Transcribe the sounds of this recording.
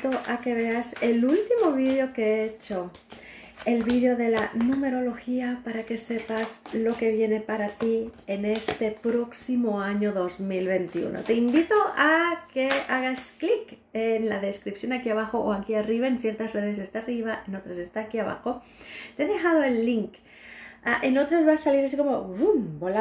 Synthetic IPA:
t̪oʔake̞βe̞ase̞lult̪imo̞βiðjo̞keet͡ʃo̞ | e̞lβiðjo̞ðe̞lanume̞ɾo̞lo̞xiapaɾake̞se̞pazlo̞ke̞βje̞ne̞paɾat̪ie̞ne̞st̪e̞pɾo̞ksimo̞aɲo̞ðo̞zmilβe̞nt̪iṵno̞̰t̪e̞imbit̪o̞ake̞aɣasklikenlaðe̞skɾipsjo̞nakiaβ̞axo̞ʔoakiariβaensje̞ɾt̪asre̞ðe̞s̬est̪aariβ̞aeno̞t̪ɾase̞st̪aːkiaβa̰xo̞ | t̪eeðe̞xað̞o̞e̞lːiŋk | aʔe̞no̞t̪ɾazβaːsaliɾas̬iko̞mo̞βumbola

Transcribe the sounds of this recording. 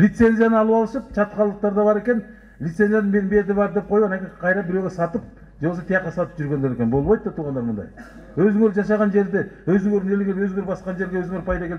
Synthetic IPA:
lit̪senzijanəɑlˠəwɑlˠəʃəp̚t͡ʃʰɑt̪qʰɑlˠːəq̚t̪ɑɾd̪ɑbɑɾe̞kʲe̞n | lit̪se̞nzijanəbe̞t̪ɪbɑɾd̪e̞p̚qʰo̞juɑnɑkʲiqʰɑjɾɑbɪɾe̞wɡʲesɑt̪əp̚ | ʒewoset̪ʰjɑqːɑsɑt̪ə̥pʒʏɾɡʲe̞nd̪eɾe̞kʲenbo̞lˠmɑjdt̪ːɑt̪ʰuʁɑnd̪ɑɾmənd̪ɑ̰j | wɵzɪŋeɾʒɑʃɑʁɑnʒe̞ɾd̪ewɵzɪŋɡøɾɪnelɡʲenwɵzɡeɾbɑsqɑnʒe̞ɾɡʲewɵzɪŋeɾpʰɑjd̪ɑkʰʲel

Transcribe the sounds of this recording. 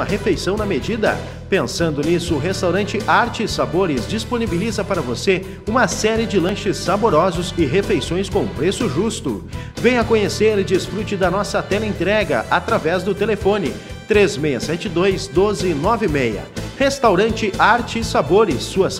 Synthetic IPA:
ɐɦefejsɐ̃w̃nɐmed͡ʒid̪ɐ̰ | pẽsɐ̃nd̪ʊnisʊːɦest̪awɾɐ̃nt͡ʃɪʔaɾt͡ʃɪsaboɾɪzd͡ʒisponibilizɐpaɾɐvose | ũmɐsɛɾɪd͡ʒɪlɐ̃ʃɪsːaboɾɔzʊzɪɦefejsõj̃skõpɾesʊʒust̪ʊ̰ | vẽj̃ɐkõɲeseɾd͡ʒɪsfɾut͡ʃɪd̪ɐnɔsɐt̪ɛlẽt̪ɾɛɡɐ̰ʔat̪ɾavɛzd̪ʊt̪elefõnɪ | t̪ɾezmejɐsɛt͡ʃɪd̪ojzd̪ozɪnɔvɪmejɐ̰hest̪awɾɐ̃nt͡ʃɪʔaɾt͡ʃɪsaboɾɪsːuɐs

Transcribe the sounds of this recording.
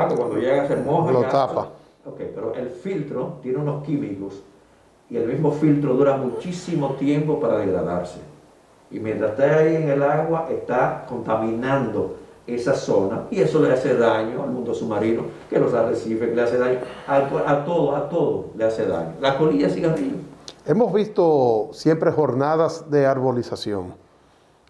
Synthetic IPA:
akokwand̪oʝeɣaseɾmosooa | okejpe̞ɾo̞ʔe̞lfilt̪ɾot̪je̞neuno̞skimiko̞s | ie̞lmizmo̞filt̪ɾo̞ðuɾamũt͡ʃisimo̞t̪je̞mpo̞paɾað̞eɣɾa̰ðaɾse̞̥ | imjent̪ɾast̪eaie̞ŋelaɣwaʔe̞st̪ako̞nt̪amĩnãnd̪oe̞saso̞naie̞so̞lease̞ðaɲo̞almũnd̪osumaɾinoke̞lo̞saresiβekeleaseðaɲo̞apʔat̪o̞ðoat̪o̞ðo̰lease̞ða̰ɲolahko̞liʝasiɣabiβee̞mo̞zβist̪o̞sje̞mpɾe̞xo̞ɾnaðazðe̞aɾβo̞lisasjo̞̰ŋ

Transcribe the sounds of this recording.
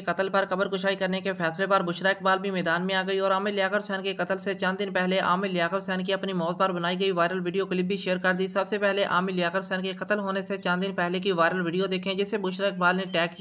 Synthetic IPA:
kɐt̪əlpɐɾkɐbəɾkʊʃaːikəɾnekefʰɛːslepəɾbʊʃɾaːɪk̚baːlbʱimɛːd̪aːnmẽaːɡəiɔːɾaːmeljaːkəɾsɛːnkekɐt̪əlset͡ʃɐ̃nd̪ɪnpɛɦleʔa̰ːmilɪjaːkəɾsɛːnk̬iɐpnimɔːt̪̚pəɾbənaːiɡəiʋaːɪɾəlʋɪːɖijoklɪp̚bʱiʃeːɾkɐɾd̪isɐbsepɛɦleʔa̰ːmeljaːkəɾsɛːnkekɐt̪əlɦoːneset͡ʃɐ̃nd̪ɪnpɛɦlekiʋaːɾəlʋɪɖijod̪eːkʰẽd͡ʒɪsebʊʃɾaːɪk̚baːlneʈɛːkːi

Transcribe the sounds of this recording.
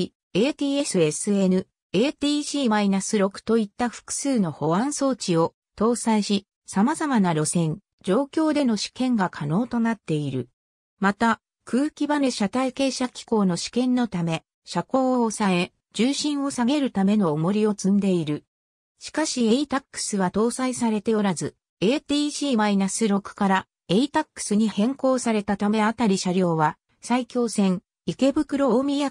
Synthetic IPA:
e̞ːt̪ʲiːesɨe̞sɨe̞nɯ̟ | eːt̪iːʑiːmainasɨɾo̞kɯ̟̥t̪o̞it̪ːaɸɯ̥kɯ̟̥sɨːno̞ho̞βãɰ̃so̞ːt͡ɕio̞ | t̪o̞ːsaiɕi | samazamanaɾo̞sẽ̞ɲ | d͡ʑo̞ːkʲo̞ːd̪e̞no̞ɕi̥kẽ̞ŋɡakʰano̞ːt̪o̞nat̪ːe̞iɾɯ̟ | mat̪a | kʰɯːkʲibaneɕat̪aike̞ːɕakʲi̥ko̞ːno̞ɕi̥kẽ̞nːo̞t̪ame̞ | ɕako̞ːsae | d͡ʑɨːɕĩɰ̃o̞saɡe̞ɾɯ̟t̪ame̞no̞ːmo̞ɾʲio̞t͡sɨ̃nd̪e̞iɾɯ̟ | ɕi̥kaɕie̞it̪akːɯ̥sɨβat̪o̞ːsaisaɾe̞t̪e̞o̞ɾazɨ | e̞ːt̪iːʑiːmainasɨɾo̞kɯ̟̥kaɾa | e̞it̪akːɯ̥sɨɲ̟ihẽ̞ŋko̞ːsaɾe̞t̪at̪ame̞at̪aɾʲiɕaɾʲo̞ːβa | saikʲo̞ːsẽ̞ŋ | ike̞bɯ̟kɯ̟ɾo̞mʲija

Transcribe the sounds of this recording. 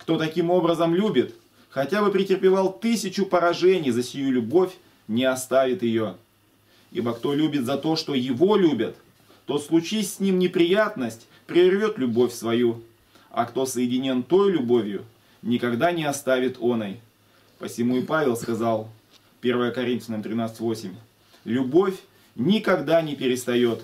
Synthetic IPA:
kt̪o̞t̪ɐkʲimo̞bɾəzəmlʲubʲɪt̪ | xɐtʲabɨpɾʲɪtʲɪrpʲɪvalˠt̪ɨsʲɪt͡ɕʊpəɾɐʐɛnʲɪjzəsʲɪjulʲʊbo̞fʲ | nʲɪɐst̪avʲɪt̪jɪjo̞ | ibəkt̪o̞lʲubʲɪt̪zɐt̪o̞ʂt̪o̞jɪvo̞lʲubʲət̪ː | o̞slˠʊt͡ɕisʲsʲnʲimnʲɪpɾʲɪjat̪nəsʲtʲ | pɾʲɪrvʲo̞t̪lʲʊbo̞fʲsvɐju | ɐ̰kt̪o̞səjɪdʲɪnʲo̞nt̪o̞jlʲʊbo̞vʲjʊ̰ | nʲɪkɐɡd̪anʲɪɐst̪avʲɪt̪ʰo̞nəj | pəsʲɪmuɪpavʲɪlˠskɐzɑlˠ | pʲe̞rvəjəkɐɾʲint̪fʲɪnəmt̪ʲɾʲɪnat̪sɨ̥tʲvo̞sʲɪmʲ | lʲʊbo̞fʲ | nʲɪkɐɡd̪anʲɪpʲɪɾʲɪst̪ɐjo̞t̪

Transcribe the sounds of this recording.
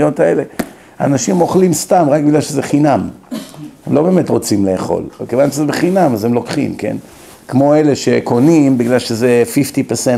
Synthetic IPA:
jo̞taḛle̞ | aːnaʃimoχlimstamʁakbiɡlalʃezeχinam | hemlo̞be̞ːmetʁo̞t͡simle̞ːχo̞̰lekevanʃezebeχinamazemlo̞kχḭmke̞̰n | kmo̞e̞le̞ʃeko̞nimbiɡlalʃezefiftipeʁse

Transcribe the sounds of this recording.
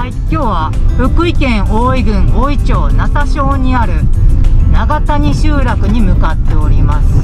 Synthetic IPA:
aikʲo̞ːβaɸɯ̟kɯ̟ikẽ̞ɰ̃oːiɡɯ̟̃ŋoːit͡ɕo̞ːnat̪aɕo̞ːɲ̟iaɾɯ̟naɡat̪aɲ̟iɕɨːɾakɯ̟ɲ̟imɯ̟kat̪ːe̞o̞ɾʲimasɨ̥

